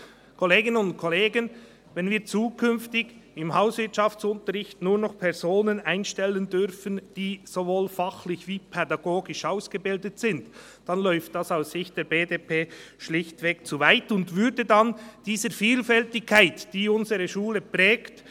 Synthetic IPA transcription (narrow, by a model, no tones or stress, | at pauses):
kʰoleːɡɪnənʊntkʰoleːɡən | vɛnviːt͡suːkʰʏnftɪɡɪmhaʊsvɪtt͡ʃɑft͡sʊntəɾʁɪçtnuːɾnɔχpʰɛʁzoːnənaɪnʃtɛləndʏʁfənd̥iːz̥ovoːlfɑχlɪçviːpʰɛdɑɡoːɡɪʃaʊsɡ̥əbɪldətsɪnt | d̥ɑnlɔʏft̚d̥ɑsaʊsːɪçt̚d̥eːɾbeːdeːpʰeːʃlɪçtvɛːkt͡suvaɪtʊntvʏɾdədand̥iːzəɾfiːlfɛltɪkʰːaɪtd̥iːʊnzəʁəʃuːləpʁɛːkt